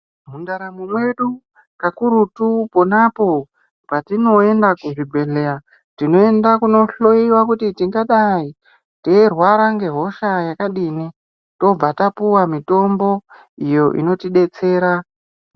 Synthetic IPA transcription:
mundaɾamumwe̞ɗu | kakuɾutupo̞napo̞ | patino̞e̞ndakuʐibʱe̞lea | tino̞e̞ndakuno̞ɬo̞iwakutitiŋɡaɗai | teirwaɾaŋɡe̞ɦo̞ʃajakaɗini | to̞b͡vatapuwamito̞mbo̞ | ijo̞ʔḭno̞tiɗe̞t͡se̞ːɾa

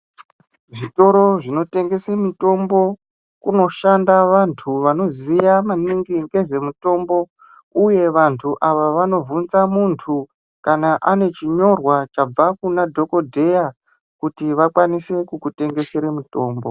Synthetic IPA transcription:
ʐito̞ɾo̞ʐino̞te̞ŋɡe̞semito̞mbo̞ | kuno̞ʃandaʋantʰuʋano̞zijamaniŋɡiŋɡe̞ʐe̞muto̞mbo̞ | uje̞ʋantʰuʔaʋaʋano̞vunzamuntʰu | kanaʔane̞t͡ʃiɲo̞rwat͡ʃab͡vakunadʱo̞ko̞dʱe̞ja | kutiʋakwanise̞kukute̞ŋɡe̞seɾemuto̞ːmbo

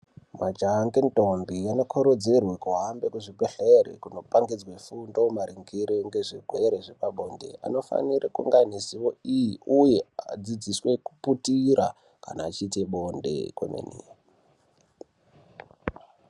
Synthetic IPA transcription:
mad͡ʒaŋɡento̞mbiano̞kʰoɾod͡zirwekuɦambekuʐibeɬerḛkuno̞paŋɡid͡zwefundomaɾiŋɡiɾeŋɡeʐiɡʱwe̞ɾeʐepaɓo̞nde̞̰ʔa̰no̞fa̰nirekuŋɡanesiʋo̞ijiujead͡zid͡zisweku̥putiɾʔa̰ | ka̰naːt͡ʃit̬iɓo̞ndḛkwḛmḛnḭ

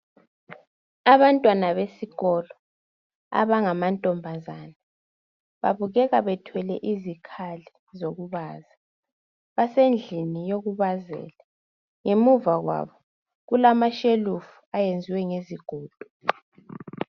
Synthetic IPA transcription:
aβantʼwanaβesiɣɔlɔ | a̰βaŋamantʼɔmbʱazaːna | βa̰βuɣɛɣaβɛtʰwɛlɛʔizikʰali | zoɣuβaːza | βasend͡ɮʱinijoɣuβazɛ̰ːla | ŋemuvaɣwa̰βɔ | ɣulamaʃelufu̥ajend͡zʱiwɛŋeziɡ̥ʱoːd̥ʱɔ̥

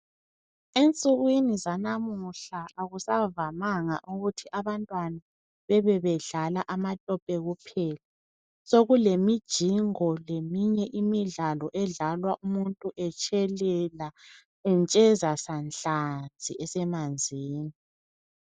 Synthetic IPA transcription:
ent͡sʼuɣwinizanamuɬaaɣusavamaŋa̰ʔuɣutʰiʔaβantʼwana | βɛβɛβɛɮalaʔamatʼɔpʼɛɣupʰɛla | soɣulemid̥ʒ̥ʱiŋɔlemiɲɛʔimiɮalɔʔɛɮalwaʔumuntʼuʔɛt͡ʃʼʰɛlɛla | ɛnt͡ʃʼɛzasanɬʼad͡z̥ʱiʔɛsɛmand͡zʱiːni

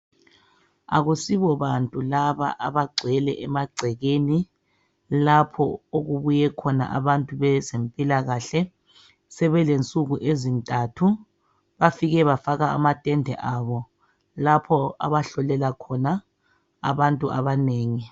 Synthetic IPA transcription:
a̰ɣusiβɔβantʼulaβa̰ʔaβaɡ͡ǀʱɛlɛ̰ʔɛmaɡ͡ǀʱɛɣeni | lapʰɔ̰oɣuβujɛkʰɔna̰ʔa̰βantʼuβɛzempʼilaɣaɬɛ | sɛβɛlent͡sʼuɣuʔezintʼatʰu | βafiɣɛβafaɣaa̰matʼɛndʱɛ̰ʔaβɔ | lapʰɔa̰βaɬɔlɛlakʰɔna | a̰βantʼuʔa̰βaneːŋi

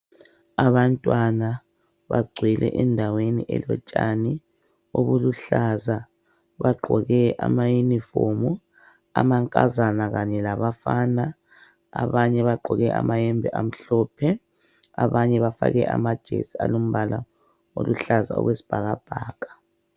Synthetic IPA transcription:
aβantʼwana | βa̰ɡ͡ǀʱwɛlʔɛ̰ʔɛndʱaweniʔɛlɔt͡ʃʼani | oβuluɬaza | βaɡ͡ǃʱɔɣɛʔamajunifomu | amaŋkʼazanaɣaɲɛlaβafana | aβaɲɛβaɡ͡ǃʱɔɣɛʔa̰majɛmbʱɛʔam̩ɬɔːpʰɛ | aβaɲɛβafaɣɛʔa̰mad̥ʒ̥ʱḛsia̰lom̩βalʔa | o̰luɬaza̰ɔ̰ɣwesi̥b̥ʱaɣab̥ʱaːkʰʼḁ

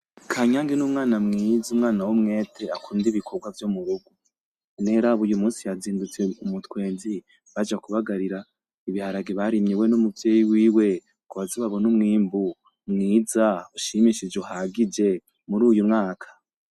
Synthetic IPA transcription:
kʰaɲaːŋɡinumŋaːnamŋizumŋaːnawomŋeːtʰeakʰuːndiβikʰoɡwavjomuɾuɡu | neɾaβujumuːsijaziːndut͡seumutwe̞ːnzi | βad͡ʒakuβaɡaɾiɾa | iβihaɾaɡiβaɾimɲiwe̞numuvjeːjiwiːwe̞ | kuβaziβaβonumŋiːmbu | mŋiːzauʃimiʃid͡ʒuhaɡid͡ʒe̞ | muɾuːjumŋaːkʰḁ

